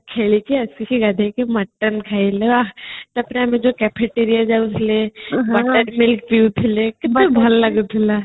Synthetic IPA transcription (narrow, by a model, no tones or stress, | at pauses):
kʰelikiɐskikiɡad̪ʱekemɐʈːənkʰaileat̪ɐpneɐmẽd͡ʒokɛpʰeʈeɾijad͡ʒaʊslebɐʈːənmɪlkpiut̪ʰilekɪt̪ebʱɐlːɐɡup̪ʰila